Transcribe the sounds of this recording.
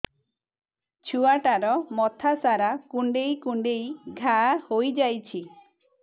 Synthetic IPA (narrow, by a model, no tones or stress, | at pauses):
t͡ʃʰuaʈaɾɔmɔt̪ʰasaɾakuɳɖejkuɳɖejɡʱahojd͡ʒajt͡ʃʰi